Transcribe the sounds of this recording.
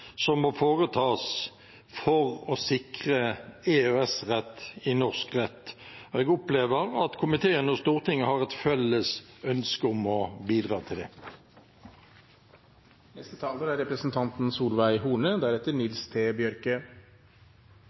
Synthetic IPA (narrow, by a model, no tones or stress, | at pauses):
sɔmɔfoːʁət̪ʰɑːs | fɔʁɔsɪkʁəeːøɛsʁɛt̪ːɪnɔʁskʁɛt̪ːɔɛɡʊpleːʋəʁɑt̪kʰʊmɪt̪ʰeːənɔst̪uːʁt̪ʰɪŋːəhɑʁɛt̪fɛlːəsœnskəʊmɔbiːd̪ʁɑːt̪ʰɪld̪ɛ | nɛst̪ət̪ʰɑːləɾæɾɛpɾəsn̩t̪ʰɑnt̪n̩suːlʋæɪɦuːɳəd̪æɾɛt̪ːəɳɪlst̪ʰeːbjœɾkə